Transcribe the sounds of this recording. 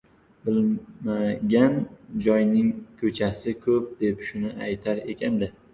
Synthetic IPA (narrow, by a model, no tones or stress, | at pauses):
bɪlmaɡʲand͡ʒɒjnɪŋkʰɵt͡ʃʰasɪkʰɵp̚d̪e̞pʃʊnɪʔajt̪ʰaɾe̞kʲʰand̪ɪ